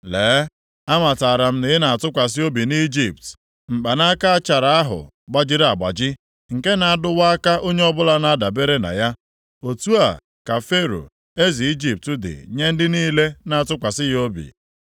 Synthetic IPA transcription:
leː˨˦ | a˦ma˨ta˨ɾa˨m̩˦ne˨ɪ˦na˨a˨tʊ˦kʷa˨s̬ɪ˦o˦bi˨ni˦d͡ʒi˨p̚t | ŋ͡m̩˨k͡pa˨na˦ka˦a˦t͡ʃa˨ɾa˨a˦ɦʊ̰˨ | ɡ͡ba˦d͡ʒɪ˦ɾa˨ɡ͡ba̰˨d͡ʒɪ˦ | ŋ̩˨ke˦na˨a˦dʊ˦wa˦ka˦ʔo˦ɲe˦ɔ˦bʊ˦la˦na˦a˦da˨be˦ɾe˦na̰˨ja˦ | o˨tu˦a˨ | ka˨fe˦ɾo̰˨ | e˦zi˨i˦d͡ʒi˨p̚tʊ˦dɪ̰˨ɲe˦n̩˦dɪ˦niː˦le˦na˦˨a˨tʊ˦kʷa˨sɪ˦jo˦bḭ˨

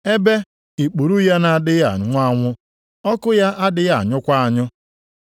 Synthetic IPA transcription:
e˦be˦ | i˨k͡pu˨ɾu˦ja˦na˨dɪ˦ja̰˨ŋʷʊ˦a˦ŋʷʊ˦ | ɔ˦kʊ˦ja˦ʔa˦dɪ˦ja˨ɲʊ˦kʷa˦a˨ɲʊ˦

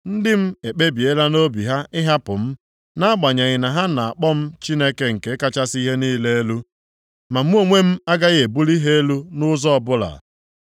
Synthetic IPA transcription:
n̩˦dɪ˦m̩˦e˨k͡pe˦bi˨e˦la˦no˦bi˨ɦa˦ɪ˦ɦa˦pʊ˨m̩˦ | na˦a˦ɡ͡ba˨ɲa˨ɣɪ˨na˨ɦa˦na˨a˨k͡pɔ˦m̩˦t͡ʃi˦ne˦ke˦ŋ̩˨ke˨˦ka˦t͡ʃa˦si˦ɦe˦niː˦le˦e˦lu˦ | ma˨m̩˦o˦ŋʷe˦m̩˦a˦ɡa˦ɣe˨bu˦li˦ɦe˦e˦lu˦nʊ˦zɔ˦ɔ˨bʊ˦la̰˨

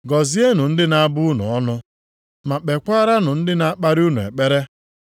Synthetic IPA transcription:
ɡɔ˨zi˦e˦nu˨n̩˦dɪ˦na˦bʊ˦u˦nʊ̰˨ɔ˦nʊ˦ | ma˨k͡pe˨kʷa˦ɾa˦nʊ˨n̩˦dɪ˦na˦a˦k͡pa˦ɾu˦nʊ˨ḛ˨k͡pe˦ɾe˦

